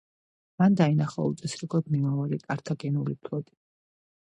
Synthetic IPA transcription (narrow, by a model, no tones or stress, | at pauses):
mand̪ainaχa̰ṵt̪sʼɛsɾiɡɔd̪nimavaɾikʼaɾt̪ʰaɡɛnulipʰlˠɔt̪ʼi̥